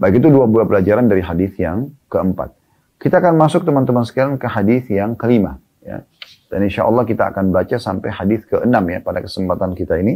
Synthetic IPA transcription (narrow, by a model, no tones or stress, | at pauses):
baikit̪̬uduabulapəlad͡ʒaɾandaɾiɦadiθjaŋkəəmpa̰t̪̚ | kit̪aːkanmasʊk̚t̪əmant̪əmansə̥kaɾankəɦadiθjaŋkəlima̰ | ja̰ | d̥a̰ninʃaʔɔ̰lːɑhkit̪a̰ːkanbat͡ʃasampajhadiθkəʔənamja̰padakə̥səmpat̪ankit̪aini